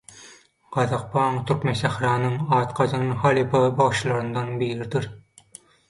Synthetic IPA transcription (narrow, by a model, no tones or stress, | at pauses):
ɢ̥ɑðɑq̚pʰɑːŋt̪ʰyɾkmenʃæxɾɑːnɯŋɑːt̪qʰɑd͡ʒɯnhɑlˠipʰɑbɑʁʃlˠɑɾɯnd̪ɑnbiːɾid̪iɾ